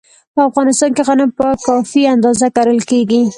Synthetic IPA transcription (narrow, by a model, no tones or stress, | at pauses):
pəafɣɑnɪst̪ɑnkeɣanəmpəkɑfiand̪ɑzakaɾəlkeɡi